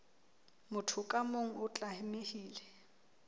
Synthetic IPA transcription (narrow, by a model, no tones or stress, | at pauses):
mʊtʰʊkʼamoŋ̩ʊt͡ɬʼahɪmehiːlɛ